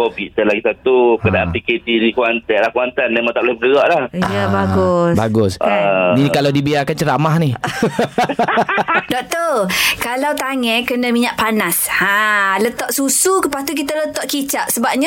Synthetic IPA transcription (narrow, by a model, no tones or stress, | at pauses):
kopit̪əlaɡisat̪ukədaanpiket̪idikuanaalahkuant̪anːɛmat̪aʔplɛbəɡəɣaʔlahabaɡusbaɡʊsnikalawdibiakant͡ʃəɾamahnih | dɔʔt̪okalawt̪aŋɛkənəmiɲaʔpanashãlət̪ɔʔsusukəpast̪uk̬it̪alət̪ɔʔkit͡ʃaʔsəbap̚ɲa